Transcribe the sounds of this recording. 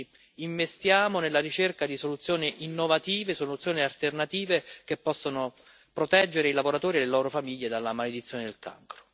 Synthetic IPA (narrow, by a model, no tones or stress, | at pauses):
iɱvest̪jaːmonelːaɾit͡ʃerkad̪isolut̪sːjoːniʔinːovat̪iːvesolut̪sjoːnialt̪ernat̪iːvekepːɔsːono | pɾot̪ɛd͡ʒːeɾeilavoɾat̪oːɾialːelɔːɾofamiʎːed̪alːamaled̪it̪sːjoːned̪elka̰ŋkɾo̥